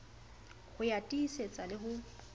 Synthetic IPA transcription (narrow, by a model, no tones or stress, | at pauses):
ɣʊjatʼiːset͡sʼalɪɦʊ